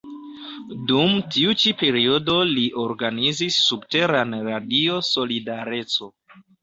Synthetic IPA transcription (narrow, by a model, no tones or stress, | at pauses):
dumtiut͡ʃipe̞ɾio̞do̞liʔo̞ɾɡanizisːubte̞ɾanɾadio̞so̞lidaɾe̞t͡so̞